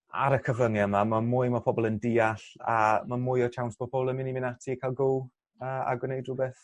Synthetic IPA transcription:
a̰ɾəkʰəvəŋjəmamamʊɨmapʰɔbɔlˠəndiːaɬa̰mamʊjɔt͡ʃʰawnsb̥ɔpʰɔbɔlˠəmɪnimɪnatʰikʰalˠɡʊlˠ | əːa̰ɡwɪnejdrubeːθ

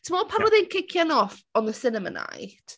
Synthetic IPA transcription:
tʰəmɔpʰabɔðenkʰɪkʰjanɔfɔnðəsɪnəmə̰na̰jd̥

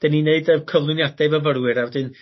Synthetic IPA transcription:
d̥ɛnineɨdəkʰəvlˠʊnjadɛvəvəɾwɪɾawɛdɨn

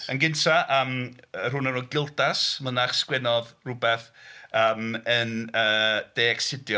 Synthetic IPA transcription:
ənɡɪntʰaʔəːmər̥ʊnənɔɡɪlˠdasmənaχskwɛnɔðrʊbɛθəːmənəːd̥eːɛksɪdjɔ

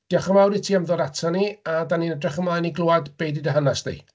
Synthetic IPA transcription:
d̥iaχəmawɾitʰiːamðɔɾatʰaniadaninɛdrɛχəmlajniɡlˠoadb̥ejdidəɦanasd̥ḭ

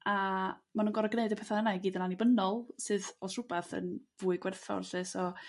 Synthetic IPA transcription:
amanunɡɔɾɔɡneɨdəpʰɛθaənaɡiːdənanibənɔlˠsɨːðɔsr̥ʊbɛθə̰nvuːɨɡwɛrθɔ̰rɬɨsɔ

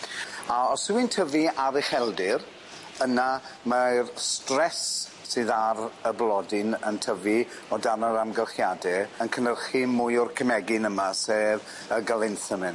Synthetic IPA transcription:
aɔswɪntʰəviaɾɪχɛlˠdɪr | ənamarstrɛsː | ɨðaɾəblˠɔdɪnəntʰəvi | ɔdanəɾamɡəlˠχjadɛənkʰənəlχimʊjʊrkʰəmɛɡɪnəmaseːð | əɡalˠɪnθəmɪn

